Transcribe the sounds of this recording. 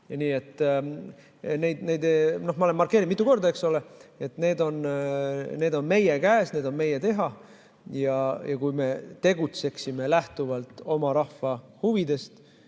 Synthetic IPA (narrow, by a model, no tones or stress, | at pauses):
niːe̞t̪ːˑ | ne̞jd̪ne̞jd̪eno̞hmɑolemːɑrkːˑe̞ːɾid̪mit̪ːˑuko̞rd̪̥ɑekso̞le̞e̞t̪ne̞ːd̪o̞n | ne̞ːd̪o̞nme̞jekæːsne̞ːd̪̥o̞nme̞jet̪e̞ɦɑ | jɑjɑkujme̞t̪e̞ɡut̪se̞ksime̞læht̪uvɑlt̪ˑo̞mɑɾɑhvɑhuvid̪e̞st̪